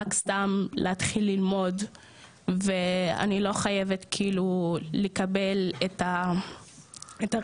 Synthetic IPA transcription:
akst̪amlʔeat̪χilːilmo̞d | vea̰nilo̞χajevetkʰiːlulekabe̞leta | eta

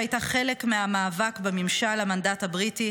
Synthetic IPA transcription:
ajtaχe̞le̞kmeamaːvakbemimʃalamandathabʁiti

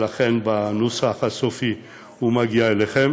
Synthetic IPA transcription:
laχenbanosafhasofi | humaɡiaeleχem

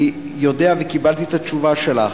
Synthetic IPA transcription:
jo̞deavekibalt̪iet̪at͡ʃuvaʃe̞laχ

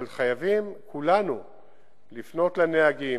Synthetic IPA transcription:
alχajavimkʰulanu | lifno̞t̪lanehaɡi

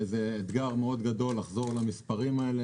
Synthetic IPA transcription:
ezeːd̪ɡaʁmeo̞d̪ɡad̪o̞lːaχzo̞ʁlamispaʁimaele

